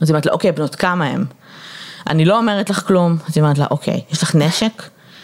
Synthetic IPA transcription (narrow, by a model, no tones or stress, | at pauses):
azijmet̪̬la̰ʔokejbnotkamaḛm | ʔa̰nilo̞ːmeʁetlaχklumazjomeet̪la̰ʔokʰḛjjeʃlaχneʃek